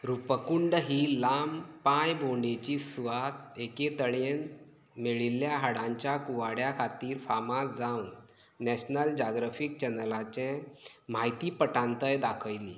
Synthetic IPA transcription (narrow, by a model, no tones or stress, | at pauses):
ɾupəkuɳɖɦiːlampãjbʱoɳɖet͡ɕiːsuʋat̪eket̪əɽen | meɭilːjaɦaɽãɲt͡ɕjakuʋaɽjakʰat̪iːɾfamasd͡zawnː | ɛɕnəld͡ʑaɡɾafik̚t͡ɕɛnlat͡ɕɛ̃m̤ajt̪iːpəʈãnt̪əjd̪akʰəjlḭː